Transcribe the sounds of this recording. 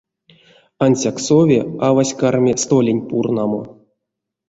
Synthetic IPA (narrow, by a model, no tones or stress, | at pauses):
ansʲaksovʲeavasʲkarmʲest̪olʲenʲpurnɑmo̰